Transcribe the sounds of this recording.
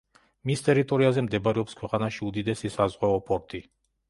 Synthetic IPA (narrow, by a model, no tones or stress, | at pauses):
mist̪ʼɛɾit̪ʼɔɾiazɛmd̪ɛbaɾɛɔpskʰwɛqʼanaʃiud̪id̪ɛsisazʁwɛɔpʰʼɔɾt̪ʼi